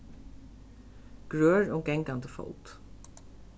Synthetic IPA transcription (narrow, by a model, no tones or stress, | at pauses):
ɡ̥ɹøːɹɔːɡɛŋkand̪əfɔ̰lt̪